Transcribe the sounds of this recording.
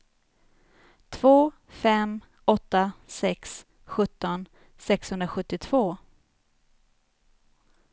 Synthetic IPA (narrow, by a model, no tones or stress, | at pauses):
t̪ʰv̥oː | fɛm | ɔt̪ːasɛks | ɧɵt̪ːɔn | sɛkshɵnd̪ɾaɧɵt̪ːɪt̪ʰv̥oː